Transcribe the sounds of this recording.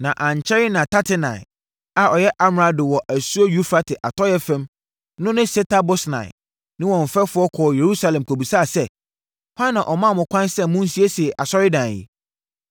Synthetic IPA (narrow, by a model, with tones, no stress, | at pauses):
nã˨ʔã˨ɲ˨t͡ɕʰɛ˦ɾɪ˦nã˨tʰa˦tʰɪ˦nã˨ɪ˨ | a˨ʔɔ˨jɛ˦ʔa˦mɾa˨dɪ˨wɔ˨ʔæ˨su˦o˦ju˦fɾa˦tʰɪ˨ʔa˨tʰɔ˦jɛ˦fɛ̃˦m | nʊ̃˦nɪ̃˦sɛ˦tʰa˦bʊ˦snã̰˨ɪ̰˨ | nɪ̃˦wɔ̃˨ɱ̩˨fɛ˦fʊ˨˦ɔ˦kʰɔ˨je˨ɾu˦sa˦lɛ̃˨m˨kʰo˨bu˨sa˦˨sɛ˦ | hã˦nːã˨ʔɔ˨mã˦˨mʊ̃˨kʷʰã˦nsɛ˦mʊ̃˦n̩˦si˦e˦si˨ɛ˨ʔa˨sɔ˦ɾɪ˦dã˨jḭ˨